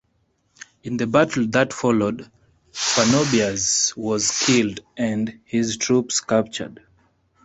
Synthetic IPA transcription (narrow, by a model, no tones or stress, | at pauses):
ɨ̃nðəbætl̩ˠðətfɔlod | panobiazwɔz̥kʰɪldɨ̃ndhɪztʰɹ̥upskap̚t͡ʃə̰˞d̥